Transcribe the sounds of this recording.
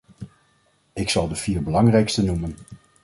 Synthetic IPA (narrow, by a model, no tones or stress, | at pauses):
ɪksɑlˠdəv̥iːɹbəlɑŋrɛjkstənumən